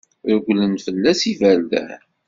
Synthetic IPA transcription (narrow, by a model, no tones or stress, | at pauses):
ɾʊɡʷlənfəlːæsivæld̪æ̰